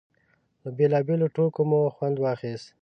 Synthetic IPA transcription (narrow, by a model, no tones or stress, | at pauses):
ləbelɑːbeloʈokomoxwand̪wɑːxist̪